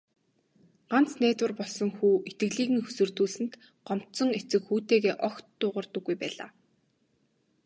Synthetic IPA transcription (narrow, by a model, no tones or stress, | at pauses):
ɢ̥an̥t͡snæːt̪wə̆rpɔɮsɞ̆ŋxuːʔet̪ɡɘ̆ɣɮiːɣɘ̆ŋxɵ̥sɵ̆rt̪uːɮsɘ̆nt̪ | ɢ̥ɔm̥t̪sɞ̆ŋet͡sɘ̆kxuːt̪eːɣeːʔɔxt̪ːʊːʁə̆rt̪ɞ̆ɡːujpæ̰ːɮa̰ː